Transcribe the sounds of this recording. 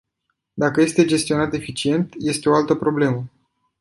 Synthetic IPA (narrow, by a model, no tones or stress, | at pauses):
d̪akəje̞st̪e̞d͡ʒe̞st̪ionat̪e̞fit͡ʃie̞nt̪je̞st̪e̞o̞alt̪əpɾo̞ble̞mə